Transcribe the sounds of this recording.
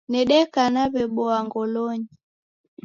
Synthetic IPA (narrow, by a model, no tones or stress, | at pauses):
nɛɗɛkanaβɛɓɔaŋɡɔlɔɲi